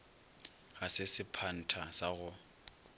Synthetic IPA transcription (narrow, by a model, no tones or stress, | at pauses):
ɣasɪsɪpʰan̩tʰasaɣʊ